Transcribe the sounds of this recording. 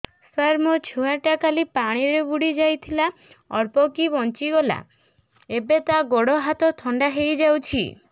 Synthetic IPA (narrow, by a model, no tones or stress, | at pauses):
saɾmot͡ʃʰuaʈakalipaɽ̃iɾebuɽid͡ʒajt̪ʰila | ɔɾpɔkibɔnt͡ʃiɡɔla̰ | ebet̪aɡoɽɔɦat̪ɔt̪ʰɔɳɖaɦejd͡ʒawt͡ʃʰḭ